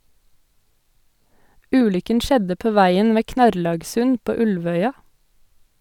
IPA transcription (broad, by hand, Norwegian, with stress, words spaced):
ˈʉːlʏkən ˈʃɛdə ˈpoː ˈʋæɪən ˈʋeː ˈknɑɾlɑːɡsʉn ˈpoː ˈʉlʋœʏɑ